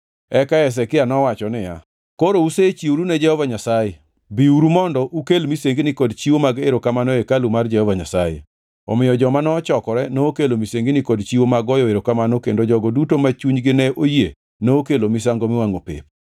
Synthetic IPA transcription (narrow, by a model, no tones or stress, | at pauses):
ɛkaɛs̬ɛkɪanɔwat͡ʃɔnɪja̰ | koɾouset͡ʃiuɾunɛd͡ʒɛhɔvaɲasajɛ | biuɾumɔndɔʔukelmiseŋɡinɪkɔdt͡ʃiwomaɡeɾokamanoekalumard͡ʒɛhɔvaɲasajḛ | ɔ̰mɪjɔd͡ʒɔmanɔt͡ʃɔkɔɾɛnoːkelomiseŋɡinɪkɔdt͡ʃiwomaɡɔjɔeɾokamanokendod͡ʒɔɡɔdutomat͡ʃuɲɡɪnɛʔoje | noːkelomis̬aŋɡomɪwaŋopḛp